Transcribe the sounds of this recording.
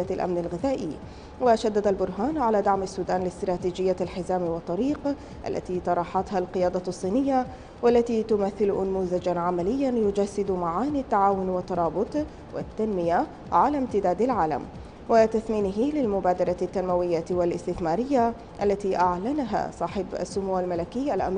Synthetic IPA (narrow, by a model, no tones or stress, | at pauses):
alʔa̰mnalɣɪðaːʔḭ | waʃad̪ːad̪albʊɾˤɦaːnʕalaːd̪aʕmasːuːd̪aːnlɪst̪ɾˤɑːt̪iːd͡ʒɪjːalħɪzaːmwɑt̪ˤːɑɾiːq | ʔa̰lːa̰t̪iːt̪ɑɾˤɑːħɑt̪halqɨjɑːd̪ɑsˤːiːnɪjːa | walːat̪iːt̪ʊmaθːɪlʔʊnmuːzad͡ʒanʕamalɪjːanjʊd͡ʒasːɪd̪maʕaːniat̪ːaʕaːwʊnwɪt̪ːɑɾˤɑːbʊt̪ˤ | wɪ̰t̪ːanmɪja | ʕalaːmt̪ɪd̪aːd̪alʕaːla̰m | wat̪aθmiːnɪɦɪlɪlmʊbaːd̪ɑɾˤɑt̪ːanmawɪjːawalʔɪst̪ɪθmaːɾɪjːa | ʔalːat̪iʔaʕlanaɦa̰ːsˤɑːħɪba̰sːʊmuːwalmalakɪjːʔalʔa̰m